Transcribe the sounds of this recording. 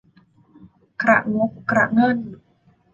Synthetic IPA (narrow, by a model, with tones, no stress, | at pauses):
kʰɾa̰˨˩ʔŋu˨˦˥kkɾa˨˩ʔŋɤ˧˥˨n